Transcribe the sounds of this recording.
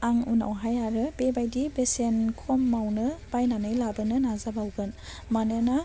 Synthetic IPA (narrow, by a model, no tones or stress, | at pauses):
aŋuna̰wɦajaɾɯb̥ebajdibesenkʰɔmːawnɯb̥ajnanɯjlabɯnɯnazabawɡɯn | manɯna